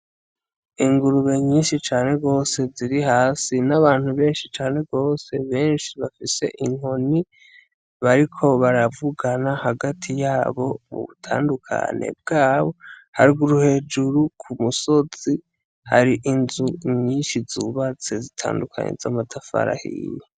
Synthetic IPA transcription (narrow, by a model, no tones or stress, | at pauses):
iŋɡuɾuβe̞ɲiːnʃit͡ʃaːne̞ɡo̞ːse̞ziɾihaːsinaβaːn̥huβe̞ːnʃit͡ʃaːne̞ɡo̞ːse̞βe̞ːnʃiβafise̞̰ʔiŋ̥o̞ni | βaɾikʰo̞βaɾavuɡanahaɡatʰijaːβo̞mṵβṵtʰa̰ːndukʰa̰ne̞̰b̚ɡaːβo̞haɾiɡuɾuhe̞ːd͡ʒuɾukʰumuso̞z̥i | ha̰ɾiʔinzuɲiːnʃizuβat͡se̞zitʰa̰ːndukʰa̰ɲḛza̰matʰafa̰ɾa̰hḭje